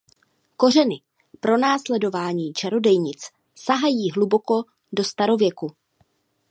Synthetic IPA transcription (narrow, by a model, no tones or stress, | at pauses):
ko̞r̝ɛnɪ | pɾo̞naːslɛdo̞vaːɲiːt͡ʃaɾo̞dɛjɲɪt͡s | saɦajiːɦlubo̞ko̞ | do̞st̪aɾo̞vjɛku